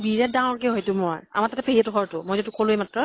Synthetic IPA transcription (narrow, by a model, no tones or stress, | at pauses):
biɹɛt̚dãɔɹkɛɦojtʊmɔja̰matatɛpʰeɦiɛtʊkʰɔɹtʊmojzotukʰolʊejmatɹɔ